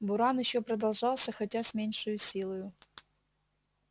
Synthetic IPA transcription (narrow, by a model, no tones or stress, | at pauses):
bʊɾanjɪɕːopɾəd̪ɐlˠʐɑlˠsʲəxɐtʲasʲmʲenʲʂɨjʊsʲilˠəjʊ